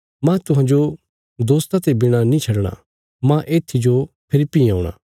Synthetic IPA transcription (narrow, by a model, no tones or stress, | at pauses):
mãt̪ʊɦãːd͡ʒo | d̪oːst̪at̪ebɪɽ̃anĩt͡ʃʰɐɽɽ̃a̰ | mãʔeːt̪ʰːid͡ʒo | pʰɪlɪpːiaːuɽ̃a̰ː